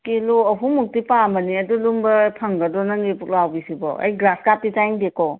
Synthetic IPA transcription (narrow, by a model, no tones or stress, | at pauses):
kiloɔɦʰumuk̚tipambɐniɐdulumbɐpʰɐŋɡɐdɔnɐŋɡipuk̚lawbisibɔ̰ɐ̰jɡɾaskap̚titajŋdekɔ